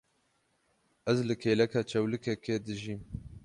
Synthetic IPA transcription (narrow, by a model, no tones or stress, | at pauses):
ɛzlɨkʰeːlɛkʰɑːt͡ʃʰɛwlɨkʰɛkeːd̪ɨʒiːm